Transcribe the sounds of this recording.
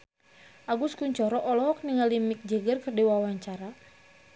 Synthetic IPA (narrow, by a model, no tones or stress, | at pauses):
ʔaɡuskuɲt͡ʃɔɾɔʔɔlɔɦɔk̚niŋalimik̚d͡ʒɛɡərkɨrdiwawaɲt͡ʃaɾa